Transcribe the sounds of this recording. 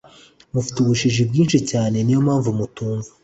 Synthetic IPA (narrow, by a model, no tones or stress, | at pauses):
mufi̥tuβuʃiʒibɡiːnʃicaːne̞nijo̞mhaːɱvumutuːɱvḁ